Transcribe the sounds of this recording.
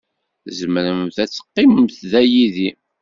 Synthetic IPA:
zəməɾəmmθæt͡sːə̥qːiməmθðæjiði

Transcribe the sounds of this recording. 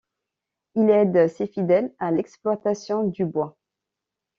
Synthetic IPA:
ilɛd̪sefid̪ɛlalɛksplwat̪asjɔ̃d̪ybwa

